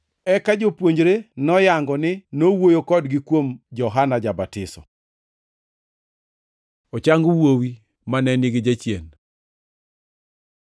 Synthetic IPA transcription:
ɛkad͡ʒopwoɲd͡ʒɾenɔjaŋɡɔnɪnowojokɔdɡɪkwomd͡ʒɔɦanad͡ʒabatɪsɔ̰ | ot͡ʃaŋɡuwowi | manɛnɪɡɪd͡ʒat͡ʃjen

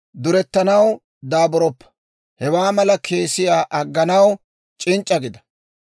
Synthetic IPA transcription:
d̪ʊɾɛt̪ːɐnɐw | d̪aːbɔɾɔpːɐ̥ | hɛwaːmɐlɐkʰe̞ːsɪjaːʔɐɡːɐnɐw | t͡ʃʼɪnt͡ʃʼːɐɡɪd̪ɐ̥

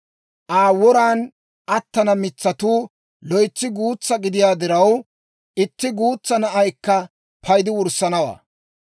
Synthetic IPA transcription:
ʔaːwɔɾaːn | ʔɐt̪ːɐnɐmɪt͡sːɐt̪uː | lɔjt͡sːɪɡuːt͡sːɐɡɪd̪ɪjaːd̪ɪɾɐw | ʔɪt̪ːɪɡuːt͡sːɐnɐʔɐjkːɐ | pʰɐjd̪ɪwʊɾsːɐnɐwa̰ː

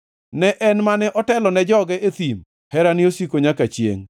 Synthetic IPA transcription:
nɛʔɛnmanɛʔɔtɛlɔnɛd͡ʒɔɡɛʔet̪im | hɛɾanɪosikoɲakat͡ʃjḛŋ

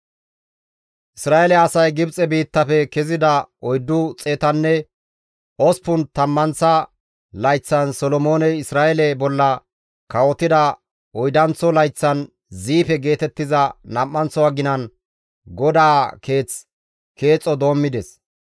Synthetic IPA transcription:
ʔɪsɾaːʔɛlɛɐsɐjɡɪbt͡sʼɛbiːt̪ːɐpɛkɛzɪd̪ɐɔjd̪ːʊt͡sʼe̞ːt̪ɐnːɛ | ʔɔspʊnt̪ɐmːɐnt͡sɐ | lɐjt͡sːɐnsɔlɔmoːnɛɪsɾaːʔɛlɛbɔlːɐ | kɐwɔt̪ɪd̪ɐ | ɔjd̪ɐnt͡sɔlɐjt͡sːɐn | ziːpɛɡe̞ːt̪ɛt̪ːɪzɐnɐmːɐnt͡sɔwɐɡɪnɐn | ɡɔd̪aːke̞ːt͡s | ke̞ːt͡sʼːɔd̪o̞ːmːɪd̪ɛs

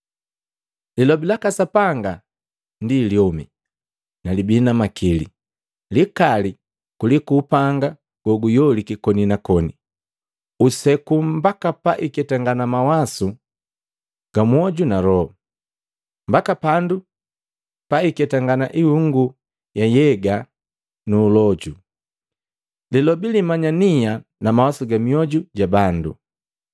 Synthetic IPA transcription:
lilɔbilakasapaŋɡa | ndiljɔmḭ | nalibinamakʰilḭ | likali | kulikupaŋɡa | ɡ̥ɔɡujɔlikikɔninakɔni | usɛkumbakapaʔikɛtaŋɡanamawasu | ɡ̥amuɔɟunalɔ | mbakapandu | paikɛtaŋɡana̰ʔihuŋɡu | jajɛɡa | nuːlɔɟu | lilɔbilimaɲanianamawasuɡamiɔɟuɟabandṵ

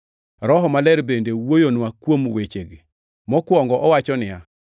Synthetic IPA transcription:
ɾɔɦɔmalɛɾbendewojonwakwomwet͡ʃeɡɪ | mɔkwɔŋɡɔʔɔwat͡ʃɔnɪja

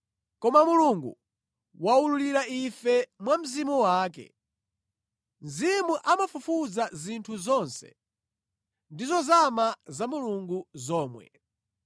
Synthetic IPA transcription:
kɔmamuluŋɡṵ | waululiɾaifɛmwam̩zimuwaːk̬ɛ̰ | n̩zimuʔamafufud͡zazintʰuzɔnsɛ̰ | ndizɔzamazamuluŋɡuzɔːmwɛ̰

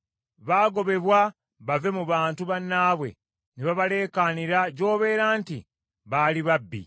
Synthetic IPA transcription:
βaːɡo̞βe̞βwa | βave̞muβaːntuβanːaːβwe̞̰ | niβaβale̞ːkaːniɾaɟo̞ːβe̞ːɾaːnti | βaːliβabːḭ

